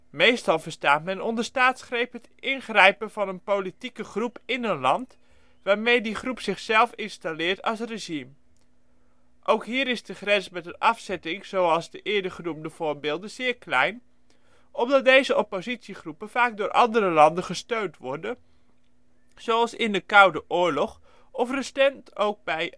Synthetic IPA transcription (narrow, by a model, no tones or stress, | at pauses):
mejstɑlˠvəɹstaːtmɛnɔndəstaːtsχrejpɦətʔɪnχrɛjpəv̥ɑnənpowlitikəχrupʰɪnənlɑnt | ʋaːɹmejdiχrupsɪχsɛlˠfɪnstalɪːɹtɑ̰lˠs̬reʒim | ʔowkɦiːɾɪzdəχrɛnsmɛtənʔɑfsɛtɪŋz̥owɑlˠzdəʔɪədəχənumdəv̥ʊːɹbɪːlˠdəz̥ɪːɹklɛ̰jn | ɔmdɑt̚dejzəɔpozitsiχrupəfaːk̚dʊːɾʔɑ̰ndərəlɑndəχəstøɥntʋɔɹdə | z̥owɑlˠsɪndəkʌwdəʔʊːɹlɔχ | ɔfrəstɛntʰowk̚bɛj